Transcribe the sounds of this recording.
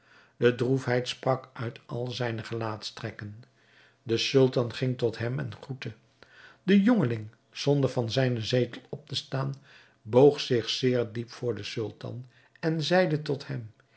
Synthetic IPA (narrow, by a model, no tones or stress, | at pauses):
d̥ədrufɦɛjtsprɑkœɥtɑlˠzɛjnəχəlaːtstrɛkən | dəsɵlˠtɑnχɪŋtɔtɦɛmɛ̰nχutə | dəjɔŋəlɪŋ | z̥ɔndəɹvɑnzɛjnəzejtəlˠɔp̚təstaːn | bowχsɪχsɪːɹdipfʊːɹdəsʏlˠtɑ̰n | ɛnzɛjdətɔthɛm